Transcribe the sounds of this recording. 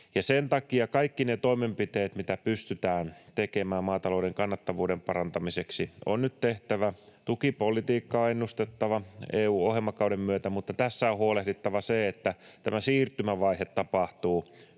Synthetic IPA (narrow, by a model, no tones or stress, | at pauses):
jɑsent̪ɑkiɑkɑikːinet̪oimempit̪eːt̪mit̪æpyst̪yt̪æːnt̪ekemæːmmɑːt̪ɑloudeŋkɑnːɑt̪ːɑʋuːdempɑrɑnt̪ɑmiseksio̰nnyt̪t̪eht̪æʋæt̪ukipolit̪iːkːɑːenːust̪et̪ːɑʋɑeːuːohemːɑkɑuɾemmyøt̪æmut̪ːɑt̪æsːæohuolehdit̪ːɑʋɑseet̪ːæt̪æmæsiːrt̪ymæʋɑihet̪tɑpɑht̪uː